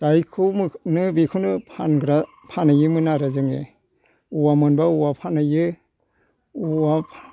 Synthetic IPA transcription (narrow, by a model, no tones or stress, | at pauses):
dajkʰɯmnɯbikʰunɯpʰanɡɾa | pʰanajɯmɯnaɾazɯŋḛ | uwamɯnbauwapʰanajɯ | uwapʰ